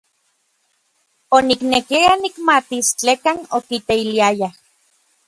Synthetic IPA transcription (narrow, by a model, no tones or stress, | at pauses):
oniknekianikmat̪ist͡ɬekanokit̪eiliaja